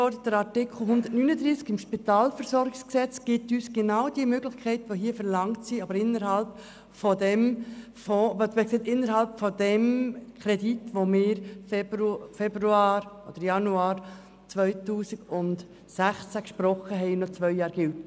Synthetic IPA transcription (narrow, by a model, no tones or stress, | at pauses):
ɔɾdət̚d̥əɾɑɾtɪkʰl̩ˠɦʊnd̪ətnyːnədɾiːskɪmʃpitɑːlfəɾsɔɾɡɪksksɛt͡sɡ̥ɪtyːsɡ̥enɑʊdiəmøɡlɪxkʰɛɪtəʋoɦiːəfəɾlɑŋtsiɑbəɾɪnːəɾɦɑlp | fɔdɛm | fɔvtmksɛɪtɪnːəɾhɑlpfɔd̥ɛmkʰɾɛditʋomɪːɾffɛbɾuaːɾʔod̥əɾjɑnuɑːɾ | t͡sʋœʏtuːsɪɡ̥ʊnt | sæχt͡sækʃpɾɔχəɦɛɪnɔt͡sʋœʏjɑːɾɡ̥ɪlt